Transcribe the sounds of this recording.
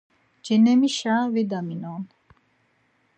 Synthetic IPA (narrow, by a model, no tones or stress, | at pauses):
d͡ʒɛnɛmiʃaːvid̪aminɔːn